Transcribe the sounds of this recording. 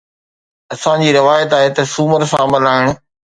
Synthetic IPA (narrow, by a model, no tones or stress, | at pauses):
ɐsãd͡ʑiːɾɪʋaːjɪt̪aːɦet̪ɐsuːməɾsãːmɐlaːɪɽ̃